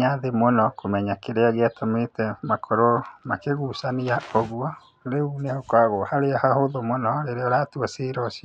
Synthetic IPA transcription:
ɲaðemonɔkʰomɛɲakeɾeaɣeatɔmetɛmakʰɔɾomakeɣusaniaoɣwɔ | ɾeunehokwaɣohaɾeɔhahoðomonɔɾeɾeɔɾaːtuaseɾɔsia

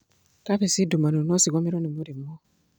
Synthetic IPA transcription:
kafesidumanunɔsiɡɔmiɾɔnimoɾimɔ

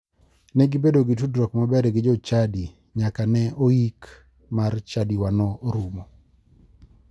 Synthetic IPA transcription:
nɛɡɪbedoɡɪtudɾɔkmabɛɾɛɡɪd͡ʒɔt͡ʃadi | ɲakanɛoik | mart͡ʃadiwanɔɾumo

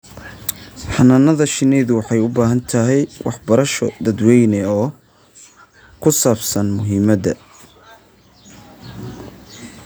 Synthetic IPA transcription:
ħɑnɐnɐðɐʃɪnɛjðʊwɑħɑjʊbaːɦɐnt̪ʰɐɦɛjwʔɑ̰ħbɐɾɐʃɔ̰d̪ɐd̪wɛjnɛɔː | kʰʊsaːbsɐnmʊɦiːmɐd̪ɐ

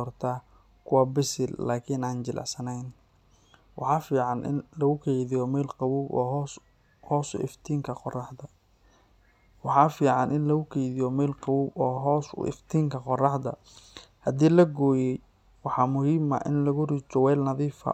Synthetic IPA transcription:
ɔːrt̪ʰaː | kʰʊwɑːbɪsɪllaːkʰiːnaːnt͡ʃɪlʔɑ̰ʕsɐnɛjn | wɑħɑːfiːʕɑnʔɪ̰nlɐɣʊkʰɛjðɪjɔmɛːlqɑwuːbɔ̰ːɦ | hɔːsʊ̰ʔɪ̰ft̪ʰiːŋkʰɐqɔrɑħd̪ɐ | wɑħɑfiːʕɑnʔɪnlɐɣʊkʰɛjðɪjɔmɛːlqɑwuːbɔːɦɔːsʊ̰ɪ̰ft̪ʰiːŋkʰɐqɔrɑħd̪ɐ̰ | hɐd̪iːlɐɡɔːjɛj | wɑħɑmʊhiːmɐ̰ʔɪ̰nlɐɣʊriːt͡ʃɔwɛːlnɐðiːfɐ̰

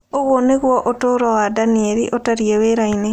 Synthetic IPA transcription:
oɣwoneɣwɔʔotoːɾɔwadanieɾiʔotaɾieweɾaine

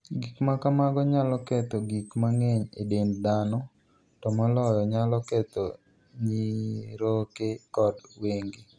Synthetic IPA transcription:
ɡikmakamaɡɔɲalɔkɛt̪ɔɡikmaŋeɲedemdanɔ | tɔmɔlɔjɔɲalɔkɛt̪ɔ | ɲiɾokekɔdweŋɡi

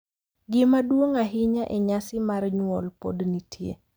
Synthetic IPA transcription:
ɡɪmadwoŋaɦɪɲaʔɛɲasɪmarɲwɔlpodnitʰjḛ

